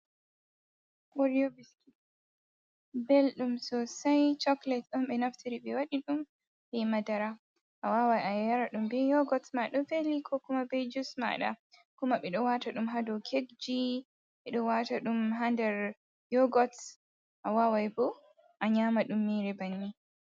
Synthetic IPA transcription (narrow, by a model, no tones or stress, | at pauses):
ʔɔɾijobiski | belɗumsɔsajt͡ʃɔklɛtɗɔnɓɛnaftʰiɾiɓɛwaɗiɗum | bɛmadaɾa | ʔawawajajaaɾaɗumbɛjɔɡɔtmaɗɔfelikʰɔkumabɛd͡ʒusma̰ɗa̰kumaɓɛɗɔwataɗumɦadɔkʰeɡd͡ʒi | ɓɛɗɔwataɗumɦandɛɾ | jɔɡɔt | ʔawawajbɔ | ʔaɲamaɗumːiːɾɛbanːi